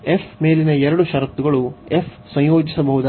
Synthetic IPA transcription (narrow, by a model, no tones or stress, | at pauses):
efmeːlinɐɛɾɐɽuʃɐɾɐt̪ːuɡɐɭuef | sɐ̃jjo̞ːd͡ʒisɐbɐɦud̪a